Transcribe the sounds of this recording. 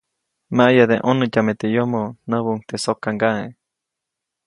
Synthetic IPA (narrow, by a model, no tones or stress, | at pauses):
maʔjad̪eʔonəc̪ʲamet̪ejomonəβuuŋt̪esokːaŋɡae